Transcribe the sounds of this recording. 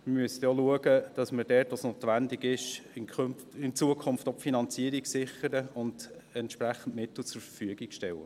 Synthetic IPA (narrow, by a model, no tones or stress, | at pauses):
mɪmyəsətjɔluəɡəd̥ɑsmɪɾdɛːtʋosnoːt̪ʋændɪɡɪʃɪnk | ɪnt͡suəkʰʊmft̪ɔpfinɑnt͡siəɾiksɪχəɾəʊnd̥ɛntʃpɾæχn̩tmɪt̪l̩t͡sʊɾfəfyəɡikʃtɛwə̰